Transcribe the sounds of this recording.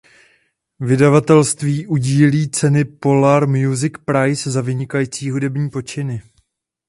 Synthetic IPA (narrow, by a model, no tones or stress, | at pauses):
vɪdavat̪ɛlst̪viːʔuɟiːliːt͡sɛnɪpo̞laɾmjuzɪkpɾajszavɪɲɪkajiːt͡siːɦudɛbɲiːpo̞t͡ʃɪnɪ